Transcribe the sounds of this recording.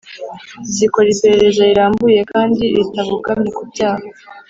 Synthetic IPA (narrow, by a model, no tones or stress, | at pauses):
siko̞ɾipe̞ɾe̞ɾe̞zaiɾaːmbuje̞kʰaːndiɾitaβuɡamɲikubɟaːha